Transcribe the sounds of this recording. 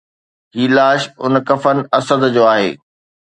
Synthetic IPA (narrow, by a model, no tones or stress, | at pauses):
ɦiːlaːʃʊnkɐfənɪ̆ɐsəd̪d͡ʑoːaːɦḛː